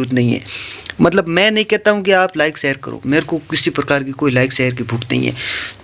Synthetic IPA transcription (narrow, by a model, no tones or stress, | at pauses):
uːt̪̬nɐɦĩɦɛ̰ːmɐt̪ləbmɛ̃ːnɐɦĩkɛɦt̪aɦũk̬iaːplaːɪkʃeːəɾkɐ̰ɾo̰ːmeːɾkokɪsipɾɐkaːɾk̬ikoːilaːɪkseːəɾk̬ibʱʊkt̪nɐ̰ɦḭ̃ɦɛ̰ː